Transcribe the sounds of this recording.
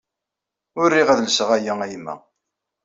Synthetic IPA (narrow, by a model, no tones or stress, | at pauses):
ʊɾːiʁæðləsəʁæjææjmːæ̰